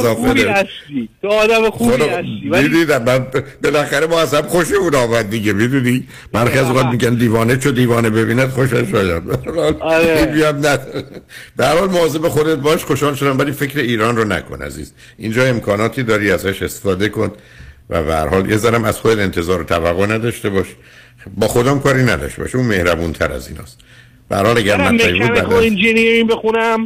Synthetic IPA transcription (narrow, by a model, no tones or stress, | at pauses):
zɒːfeɾeæʃit̪oɒːd̪æmexuod̪æʃiid̪id̪æmːæbelæxæɾeboæsæbxoʃeunɒːmæd̪̚ːiɡemid̪uːni | b̥æɾxiæzõŋɡɒːd̪̚miɟænd̪iːvɒːnet͡ʃʰod̪iːvɒːnebe̞biːnæd̪χoʃæʃɒːjæd̪bææɾɒːliːbiæmnæd̪ɾb̥ehæɾhɒːlmoɒːzebexod̪et̪̚bɒːʃxoʃɒːlʃod̪æmvæliːfecʰɾeiːɾɒːnronæ̰kʰo̰næ̰zḭːz̥ | ind͡ʒɒːe̞mkʰɒːnɒːt̪ʰiːd̪ɒːɾiːæzæʃe̞st̪e̥fɒːd̪ekʰon | væ̰bḛhæ̰ɾhɒːljezæɾæmæz̥xod̪ed̪e̞nt̪ʰe̞zɒːɾot̪ʰævæɣːonæd̪ɒʃt̪e̞bɒʃ | bɒːxo̞d̪ɒmkʰɒːɾiːnæd̪ɒ̰ʃt̪ebɒ̰ʃeuːme̞hɾæbunt̪ʰæɾæ̰zḭːnɒ̰ːst̪ | b̥ḛhæ̰ɾhɒːlæɡæɾmæɛjʃbud̪æd̪ind͡ʒinijeɾibexunæm